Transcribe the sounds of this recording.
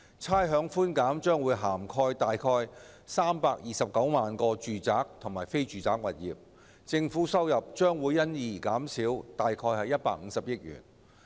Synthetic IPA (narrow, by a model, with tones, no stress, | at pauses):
t͡sʰaː˥jɦœː˨˧˥ŋfuː˥nkaː˨˥mt͡ʃœː˥ŋwuː˨˧jɦaː˨˩mkʰɔː˧jt̪aː˨jkʰɔː˧j | saː˥mpaː˧k̚jiː˨˩sɐ˨p̚kɐ˨˥wmaː˨nkɔː˧t͡ʃyː˨t͡saː˨˥k̚t̪ʰʊ˨˩ŋmaː˨˩jfe˥jt͡ʃyː˨t͡saː˨˥k̚wɐ˨˩t̚jḭː˨p̚ | t͡sɪ˧ŋfuː˨˥sɐ˥wjɐ˨p̚t͡ʃœː˥ŋwuː˨˧jːɐ˥njiː˨˩kaː˨˥msiː˨˥wt̪aː˨jkʰɔː˧jhɐ˨jɐ˥t̚paː˧k̚ŋ̩˨˧˥sɐ˨p̚jɪ˥t̚jy̰ː˨˩n